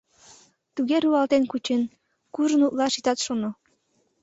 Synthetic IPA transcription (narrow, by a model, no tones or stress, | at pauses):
t̪uɣeɾuɑlt̪enkut͡ɕen | kuʒə̆nut̪lˠɑʃit̪ɑt̪ʃono